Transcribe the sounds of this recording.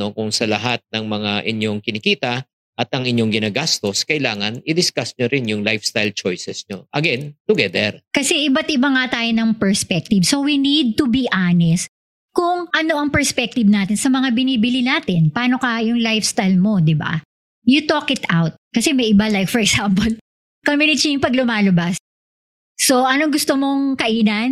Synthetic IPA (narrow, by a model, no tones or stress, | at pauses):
no̞kʊŋsɐlɐɦat̪̚nɐŋmɐŋaʔɪɲjoŋkɪnɪkiːt̪ɐ | ʔɐt̪ʔɐŋɪɲjo̞ŋɡɪnaːɡast̪oskɐʔɪlaːŋɐnɪd̪ɪskasɲoɾɪnjʊŋlajfst̪ajlt͡ʃojsɛsɲo̰ʔɐɡɛnt̪ʊɡɛd̪ɛɾkɐsɛʔɪbat̪ʔɪbaŋat̪aːjonɐŋpɛɹspɛk̚t̪ɪbso̞winid̪̚t̪ubiʔaːnɛst̪ | kʊŋʔɐno̞ʔɐŋpɛɹspɛk̚t̪ɪbnaːt̪ɪnsɐmɐŋabɪniːbɪlinaːt̪ɪnpaːno̞kɐjʊŋlajfst̪ajlmo̞d̪ɪba̰ | jut̪oːkɪt̪awt̪̚kɐsɛmɐjʔɪbalajk̚fɔɹɛksampol | kɐminɪt͡ʃɐjʊŋpɐɡlʊmaːlɐbasː | oʔɐnoŋɡʊst̪omoŋkɐʔiːnɐn